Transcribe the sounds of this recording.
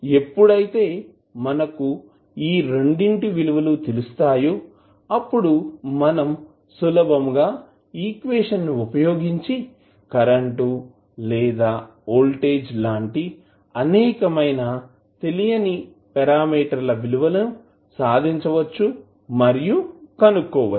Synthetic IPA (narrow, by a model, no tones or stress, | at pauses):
e̞pːuɽɐjit̪e̞ː | mɐnɐku | iːɾe̞ɳɖiɳʈiʋiluʋɐlut̪elust̪aːju | ɐpːuɽuːɐnɐm | sulɐbɐmɡaː | iːkʋeːʂɐnːuupɐjo̞ːɡiɲt͡ʃi | kɐɾɐɳʈu | lɛːd̪aː | oːlʈeːd͡ʒlaːɳʈi | ɐnɛːkɐmɐjna | t̪e̞lijɐni | pɛɾaːmiːʈɐɾlɐʋiluʋɐlɐnu | saːd̪ʱiɲt͡ʃɐʋɐt͡ʃːu | mɐɾijukɐnukːɔːʋa